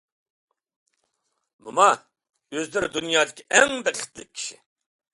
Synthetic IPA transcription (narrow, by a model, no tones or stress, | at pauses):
mumɑ | øzd̪ɪɾɪd̪unjɑːd̪ɪkʲʰiʔɛŋbæχʰɪ̥t̪lɪkʲʰːi̥ʃi